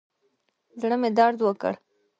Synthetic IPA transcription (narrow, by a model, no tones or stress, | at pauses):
zɽəmed̪ɑɾd̪wəkə̰ɽ